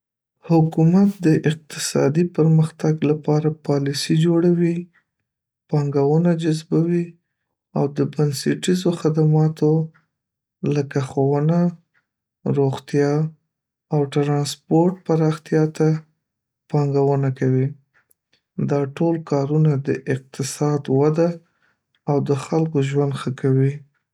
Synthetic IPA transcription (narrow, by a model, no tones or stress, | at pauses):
hʊkumat̪̚d̪əʔɪq̚t̪ɪ̥sɑ̰d̪ipəɾməxt̪aɡlapɑɾapɑlisid͡ʒoɽawi | pɑŋɡawənad͡ʒazbawi | awd̪əbanseʈizoxad̪amɑt̪o | ləkaxowəna | ɾoɣt̪jɑ | awʈɾɑnspoɾʈ̚paɾɑxt̪jɑt̪a | pɑŋɡawənakawi | d̪ɑʈolkɑɾunad̪əʔɪq̚t̪ɪsɑd̪wad̪aː | wd̪əxalkoʒwand̪xəkawi